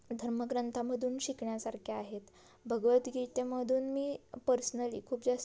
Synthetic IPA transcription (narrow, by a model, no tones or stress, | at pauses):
d̪ʱəɾməɡɾənt̪ʰaməd̪ʱuːnɕikɳjasaɾkʰiaɦet̪ | bʱəɡʋət̪ɡʱit̪eməd̪ʱuːnmiːpəɾsnəlḭːkʰuːpd͡zas